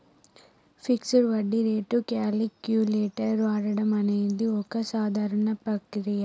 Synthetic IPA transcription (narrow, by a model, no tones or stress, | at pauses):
fiksuɾʋɐɖːiɾeːʈukaːlikjuleːʈɐɾɾʋaːɾɐɽɐmɐneːd̪iɔkɐsaːd̪ʱaːɾɐɳɐpɾɐkɾijɐ